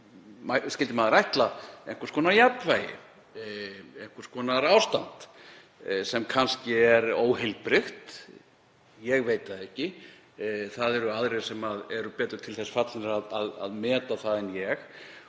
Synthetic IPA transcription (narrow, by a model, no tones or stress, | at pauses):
maskcɪlt̪ɪmaðɾajht̪laeŋ̥kʰəɾ̥skʰvɔːnajapvajɪ̰ | ɛjŋ̥kʰœɾ̥skvɔːnaɾawst̪ant̪ | sɛmkʰanscɪɛɾoːwɦɪlpɾɪxt̪ | jɛɣveːjt̪aðɛhcɪ | θaðɛɾʏaðɾej̥sɛmaðɛɾʏpɛːt̪ɾʏɾ̥t̪ʰɪlθɛsfat̪lɪnɪɾaðaða̰ðmɛːt̪aθaðɛnjɛx